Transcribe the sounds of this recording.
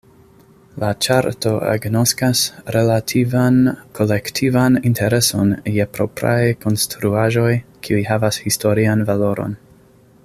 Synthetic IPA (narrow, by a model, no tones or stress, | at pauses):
lat͡ʃaɾto̞ḛɡnoskasɾe̞latʰivankʰo̞le̞ktʰivanintʰe̞ɾe̞so̞njepɾo̞̰pɾa̰jko̞nstɾuaʒo̞jkʰiujɦavashisto̞ɾianvalo̞ɾo̰n